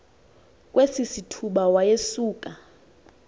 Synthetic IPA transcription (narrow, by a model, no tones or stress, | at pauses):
kʼwesisitʰuɓawajesuːkʼa